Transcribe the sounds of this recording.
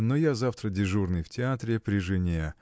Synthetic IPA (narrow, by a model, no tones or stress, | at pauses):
nojazaft̪ɾədʲɪʐurnɨjftʲɪat̪ɾʲɪpɾʲɪʐɨnʲe